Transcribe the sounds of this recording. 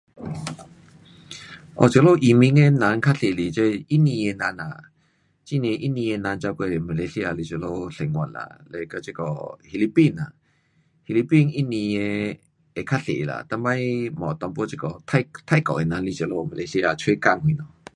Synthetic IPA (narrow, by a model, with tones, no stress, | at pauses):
ʔɔ̰˨t͡ɕlo˥˦˨ʔi˨mi˧˥ŋe˧nã˨˧˦nkʰa˦˥ɬe˨li˨˩t͡ɕe˦i˦nĩ˧e˧nã˧na˨ | t͡ɕi˦˧˨n˧ɛ̃˧ʔi˦˥nĩ˧e˧nã˧nt͡ɕa˧ke˧˨ma˨le˧si˧˦˧a˧li˧t͡ɕə˨lo˧ɬɛ˨˩ŋwa̰˨nla̰˨le˧˨kə˧t͡ɕi˦˧kɔ̰˧˨hi˧li˦pi˥˧˨na̰˨ | hi˧li˧pi˧˨ni˦nĩ˧e˧ | e˨kʰa˦t̚ɬḛ˨la̰˨t̪a˧ŋba˦jmɔ̰̃˨t̪ɔ˧ŋpwɔ˦t͡ɕi˧kɔ˧˩t̪ʰa˧t̪ʰa˥˧jkɔ̰˨e˨nã˨˧nli˧t͡ɕə˨lo˧ma˨e˧˦si˦˧a˧˨t͡sʰwe˦ka˥˧˨ŋhwi˧˨nɔ˧˨